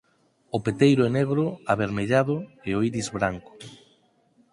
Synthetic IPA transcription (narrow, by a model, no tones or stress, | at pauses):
opet̪ejɾoeneɣɾʊaβeɾmeʎaðʊeoiɾizβɾaŋkʊ̥